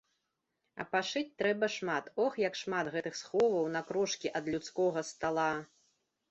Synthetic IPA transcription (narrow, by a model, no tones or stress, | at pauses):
ɐ̰paʂɨt͡sʲt̪ɾɛbɐʂmat̪ɔxjɐkʂmat̪ɣɛt̪ɨxsxɔvɐwnɐkɾɔʂkʲiʔɐd̪lʲut̪skɔɣɐst̪alˠa